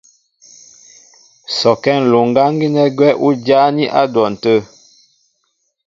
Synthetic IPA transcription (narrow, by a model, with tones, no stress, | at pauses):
sɔ˨kɛ˦˨n̩˨lo˨ŋ˨ɡa˦ŋ˦ɡi˦nɛ˦ɡwɛ˦ʔu˦d͡ʒa˦ni˦ʔa˦dwɔ˨n̩˨tə˦˨